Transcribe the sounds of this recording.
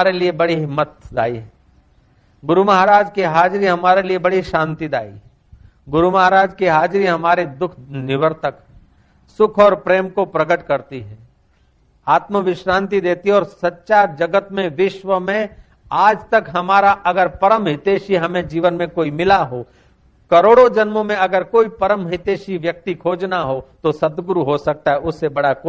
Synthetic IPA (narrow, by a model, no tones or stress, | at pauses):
aːɾeliebɐɽiɦɪmːət̪̚daːiɦɛː | ɡʊɾumɐɦaɾaːd͡ʒkiɦaːd͡ʒɾiɦɐmaːɾeliebɐɽiʃãːnt̪id̪a̰ːḭ | ɡʊɾumɐɦaɾaːd͡ʒkiɦaːd͡ʒɾiɦɐmaːɾed̪ʊkʰnɪʋəɾt̪ək | sʊkʰɔːɾpɾeːmkopɾɐɡəʈkɐɾt̪iɦɛ̃ː | aːt̪məʋɪʃɾãːnt̪̬id̪eːt̪iɦɔːɾsɐtːʃaːɾd͡ʒɐɡət̪mẽʋɪʃʋəmẽ | aːd͡ʒt̪ɐkɦɐmaːɾaʔɐɡəɾpɐɾəmɦɪt̪eːʃiɦɐmẽd͡ʒiːʋənmẽkoːimɪlaɦo | kɐɾoːɽod͡ʒɐnmomẽɐɡəɾkoːipɐɾəmɦɪt̪eːʃiʋjɐk̚t̪ikʰoːd͡ʒnaɦot̪osɐd̪ɡʊɾuɦosɐk̚t̪aɦɛʊsːebɐɽakː